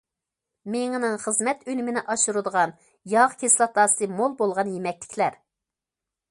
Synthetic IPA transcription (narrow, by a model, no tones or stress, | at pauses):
meŋnɨŋχəzmɛt̪ynymɪnɪʔɑʃuɾud̪əʁɑn | jɑʁkʲʰeslˠɑt̪ɑːsɨmolˠbolˠʁɑnjemɛk̚ʲlɪ̥kʲʰlæɾ